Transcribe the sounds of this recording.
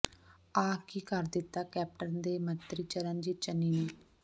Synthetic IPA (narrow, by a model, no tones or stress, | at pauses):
aːkiːkəɾd̪ɪt̪ːaːkɛːp̚ʈənd̪eːmənt̪ɾiːt͡ʃəɾənd͡ʒiːt͡ʃənːiːneː